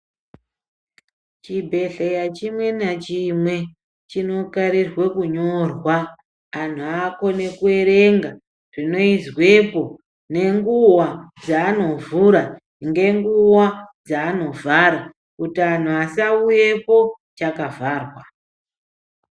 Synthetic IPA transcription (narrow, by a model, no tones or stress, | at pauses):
t͡ʃibʱe̞ɬejat͡ʃimwe̞nat͡ʃimwe̞ | t͡ʃino̞kaɾirwe̞kuɲo̞rwaː | n̤uako̞ne̞kue̞ɾe̞ŋɡa | rino̞izwe̞po̞ | ne̞ŋɡuwad͡zaːno̞vuɾa | ŋɡe̞ŋɡuwad͡zaːno̞vʱaɾa | kutian̤uasauje̞po̞ | t͡ʃakavʱaːrwa